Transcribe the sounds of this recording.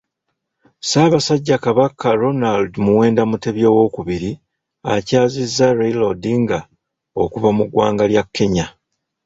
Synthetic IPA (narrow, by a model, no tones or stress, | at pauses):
saːβasaɟːakaβakʰːaɾo̞naldmuwe̞ːndamute̞βjo̞ːwo̞ːkuβiɾi | acaːzizːaɾejlodiŋɡa | okuβamuɡwa̰ːŋɡaljakʰːe̞ɲa